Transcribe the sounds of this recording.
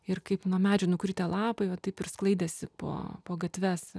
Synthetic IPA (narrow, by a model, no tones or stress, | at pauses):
ɪrkɐɪpnuɔmʲæːd͡ʒʲɛnʊkɾʲɪt̪ʲɛːlˠɑːpɐɪʋɐt̪ɐɪpɪrsklˠɐɪd̪ʲɛsʲɪpo̰ːpoːɡɐt̪ʲʋʲɛs